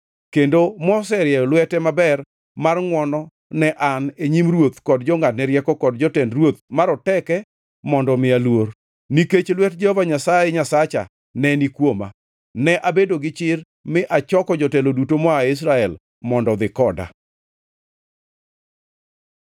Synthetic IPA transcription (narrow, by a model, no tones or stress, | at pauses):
kendomɔs̬ɛɾjɛlwɛtɛmabɛr | marŋwɔnɔ | nɛʔaneɲimrwot̪kɔdd͡ʒɔŋat̚nɛɾjɛkɔkɔdd͡ʒɔtɛndrwot̪̚maɾɔtɛkɛ | mɔndɔmɪalwor | niket͡ʃlwɛt̚d͡ʒɛhovaɲasajeɲasat͡ʃa̰ | nɛnikwoma̰ | nɛʔabedoɡɪt͡ʃɪr | mɪʔat͡ʃɔkɔd͡ʒɔtɛlodutomɔaɪs̬ɾaɛl | mɔndɔd̪ɪkɔda̰